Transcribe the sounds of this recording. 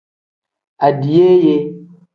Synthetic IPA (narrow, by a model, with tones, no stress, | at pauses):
a˨di˨je˦je˦